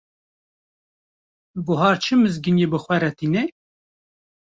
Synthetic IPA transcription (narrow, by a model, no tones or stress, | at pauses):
buɦɑːɾt͡ʃʰɨmɨzɡɨnjebɨxwɛɾɛt̪iːne